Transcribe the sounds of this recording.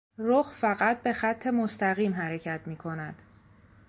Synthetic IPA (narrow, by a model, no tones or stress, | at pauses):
ɾoxfæɣæt̪̚be̞xæt̪ʰːe̞most̪æɣiːmɦæɾecʰæt̪ʰmiːkʰo̞næd̪̥